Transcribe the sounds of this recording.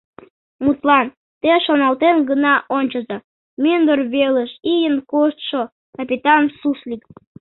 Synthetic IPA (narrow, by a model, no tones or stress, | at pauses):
mut̪lɑn | t̪eʃonɑlt̪enɡənɑʔonʲt͡ɕəzɑ | mynd̪orβeləʃijənkoʃt̪ʃo | kɑpʲit̪ɑnsuslʲik